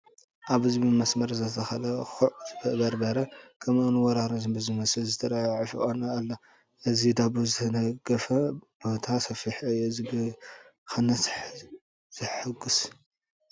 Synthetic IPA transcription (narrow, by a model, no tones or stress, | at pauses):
ʔaβhɨzbimɐsmɐɾzɐt̪ʰɐxɐlɐxuʕbɨbɐɾbɐɾɐkʰɐmoniwɔɾaɾozbɨzimɐslzɨt̪ʰɐɾajʕifɨ̰ʔʼonɐalːɐ | ʔɨzid̪abuzɨt̪ʰɐnɐɡɐfɐbot̪ʰasɐfiħajɛzibɨ | xɨnːɐs | z̥ɨħɨɡus